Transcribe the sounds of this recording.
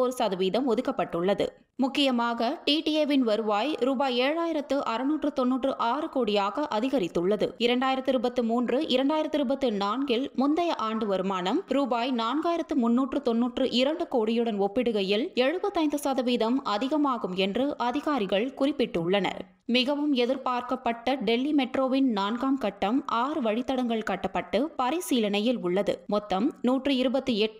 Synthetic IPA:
ɔɾɯsaːðɐʋiːðɐmɔðɯkːɐpːɐʈːɯɭːɐðɯ̰ | mʊkːɪjɐmaːɣɐʈiːʈiɛʋɪnʋɐɾɯʋaːjɾuːbaːjeːɻaːjɪɾɐt̪ːɯʔɐɾɯnuːʈrɯt̪ɔnːuːʈrɯʔaːɾɯkoːɽɪjaːɣɐʔɐðɪɣɐɾɪt̪ːɯɭːɐðɯɪɾɐɳɖaːjɪɾɐt̪ːɪɾɯbɐt̪ːɯmuːndrɯʔɪɾɐɳɖaːjɪɾɐt̪ːɪɾɯbɐt̪ːɯnaːnɡɪlmʊnd̪ɐjɐʔaːɳɖɯʋɐɾɯmaːnɐmɾuːbaːjnaːnɡaːjɪɾɐt̪ːɯmʊnːuːʈrɯt̪ɔnːuːʈrɯʔɪɾɐɳɖɯkoːɽɪjɯɽɐnɔpːɪɽɯɣɐjɪlɛɻɯbɐt̪ːɯɐɪnd̪ɯsaːðɐʋiːðɐmɐðɪɣɐmaːɣɯmɛndrɯʔɐðɪɣaːɾɪɣɐɭkʊrɪpːɪʈːɯʊɭːɐnɐ̰ɾ | mɪɣɐʋɯmɛðɪɾpaːɾkɐpːɐʈːɐɖɛlːimɛʈɾoːʋɪnnaːnɡaːmkɐʈːɐmʔaːɾɯʋɐɻɪt̪ːɐɽɐŋɡɐɭkɐʈːɐpːɐʈːɯpɐɾɐɪsiːlɐnɐjɪlʊɭːɐðɯ̰mɔt̪ːɐmnuːʈrɯɪɾɯbɐt̪ːɯɛʈː

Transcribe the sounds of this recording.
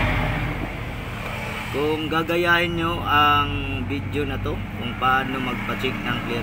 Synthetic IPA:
kʊŋɡaːɡɐjaːhɪnɲoʔɐŋbɪd̪jonɐt̪o̞ | kʊŋpɐaːnomɐɡ̚pɐt͡ʃɪk̚nɐŋkɛ

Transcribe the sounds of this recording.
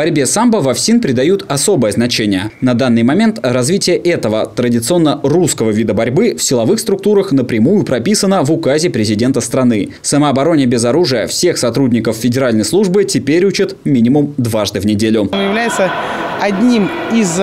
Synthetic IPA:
bɐɾʲbʲe̞sambəvɐfsʲinpɾʲɪd̪ɐjut̪ɐso̞bəjəznɐt͡ɕenʲɪjənɐd̪anːɨjmɐmʲe̞nt̪rɐzvʲitʲɪjəʔɛt̪əvə̰t̪ɾədʲɪt̪sɨo̞nːəruskəvəvʲid̪əbɐɾʲbɨfsʲɪlˠɐvɨxst̪ɾʊk̚t̪uɾəxnəpɾʲɪmujʊpɾɐpʲisənəvʊkazʲɪpɾʲɪzʲɪdʲe̞nt̪əst̪ɾɐnɨ | səməɐbɐɾo̞nʲɪjəbʲɪzɐɾuʐɨjəfsʲe̞xsɐt̪ɾudʲnʲɪkəfːʲɪdʲɪɾalʲnəjslˠuʐbɨtʲɪpʲeɾʲut͡ɕɪt̪mʲinʲɪmʊmd̪vaʐd̪ɨvnʲɪdʲelʲʊjɪvlʲæjɪt̪səɐdʲnʲimɪz

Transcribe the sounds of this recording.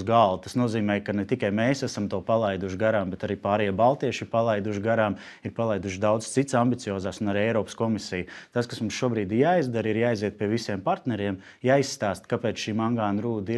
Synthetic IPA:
ɡalˠt̪asnuɔziːmɛːjkanɛt̪ikajmɛːsæsamt̪uɔpalˠajd̪uʃɡaɾaːmbɛt̪aɾiːpaːɾɛjabalˠt̪iɛʃiɾpalˠajd̪uʃɡaɾaːm | iɾpalˠajd̪uʃ̬d̪awd̪̥st̪it̪sambit̪sijɔːzaːsunaɾiɛjɾɔːpskɔmisijt̪askasmumsʃuɔbɾiːd̪jaːizd̪aɾiɾjaːjziɛt̪̚piɛʋisiɛmpaɾt̪nɛɾiɛm | jaːisːt̪aːst̪kapɛːt̪sʃiːmaŋɡaːnɾuːd̪i

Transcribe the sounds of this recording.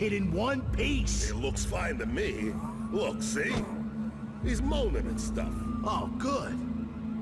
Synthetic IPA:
hɪɾɨ̃nwʌ̃npʰisɪtˡlʊksfãɪ̃ntɨmi | lʊksi | hizmõʊ̃nɨ̃ɾɨ̰̃nstʌ̰fʔoʊɡ̥ʊd̥

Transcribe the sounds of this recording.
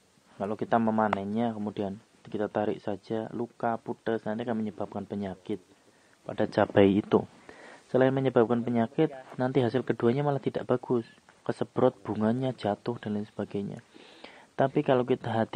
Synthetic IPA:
kalokit̪aməmanɛhɲakəmudian | kit̪at̪aɾɪ̰ʔsḁd͡ʒ̥alukaput̪əsnant̪ikanməɲəb̥ap̚kanpəɲakɪt̪̚ | pad̥at͡ʃab̥aiːt̪ṵ | səlaɪnməɲəbap̚kanpəɲakɪt̪̚nant̪iɦasɪlkəduaɲamalaht̪id̥aʔb̥aɡ̥ʊs | kəsəb̥ɾɔt̪̚b̥uŋanɲḁd͡ʒat̪ʊhd̥alansəb̥aɡ̥ajɲa̰ | t̪apikalokit̪aɦat̪

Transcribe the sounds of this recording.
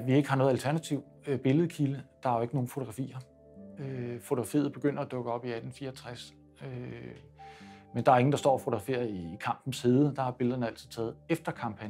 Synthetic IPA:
ʋie̝ɡ̥əhɑ̈nɔ̽ːð̞̩ˠælt͡sʰæɐnæt͡sʰiʊ̰ | b̥e̝ləð̞̩ˠkʰiləd̥ɑ̈æɐjoe̝ɡ̥əno̝ːn̩fo̝oɡ̥ʁɑfḭːɐ | øfo̝t͡sʰo̝̥ʁɑ̈fḭːð̩ˠb̥e̝ɡ̥øn̰ɐæd̥ɔ̽ɡ̥əɒ̽b̥iæd̥n̩fiːɐɒt͡sʰʁas | ø | mend̥ɑ̈æɐe̝ŋn̩d̥ɑ̈sd̥ɒ̰ːfo̝o̝ɡ̥ʁɑfḭːɐiːkʰɑ̈m̰b̥n̩shiðˠəd̥ɑ̈hɑ̈b̥e̝ləð̞ˠɐnəæl̰t͡sʰð̥̩̰ˠt͡sʰɛ̰ːð̩ˠefd̥ɐkʰɑ̈mpʰæn

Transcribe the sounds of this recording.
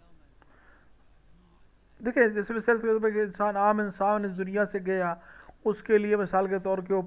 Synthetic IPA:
d̪eːkʰẽd͡ʒɪsbɪseɾt̪ebekeɪnsaːnaːmɪnsaːnɪsd̪ʊnɪjaseɡɐjaːʊskelɪemɪsaːlket̪ɔːɾk̬eo

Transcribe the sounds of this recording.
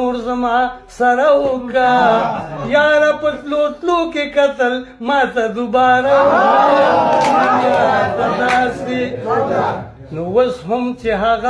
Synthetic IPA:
oːɾzɐmaːsɐɾaɦoka | jaːɾapɐt̪loːt̪loːkekɐt̪ɐl | mãːt̪ɐd̪ubaːɾawaamniɾaːt̪ɐd̪aːsi | nowɐsɦʊmt͡ʃeɦɐɣa

